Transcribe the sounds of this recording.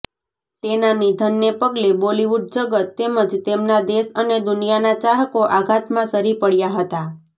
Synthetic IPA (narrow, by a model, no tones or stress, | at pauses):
t̪enanid̪ʱənːepəɡleboliʋuɖ̚d͡ʒəɡət̪ːeməd͡ʒt̪emnad̪eʃəned̪ʊnijanat͡ʃaɦkoʔaɡʱat̪mãsəɾipəɭjaɦət̪a